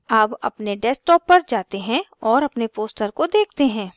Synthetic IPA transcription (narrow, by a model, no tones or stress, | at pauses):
aːbɐpneɖɛsʈɔːpːɐɾd͡ʒaːt̪eɦɛ̃ɔːɾɐpnepoːsʈəɾkod̪eːkʰt̪eɦɛ̃ː